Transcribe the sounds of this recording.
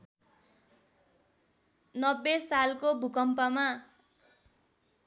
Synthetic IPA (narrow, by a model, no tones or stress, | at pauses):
nʌbːesalkobʱukʌmpʌma